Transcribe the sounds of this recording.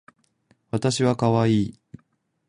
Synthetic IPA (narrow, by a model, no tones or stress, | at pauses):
βat̪aɕiβakaβaiː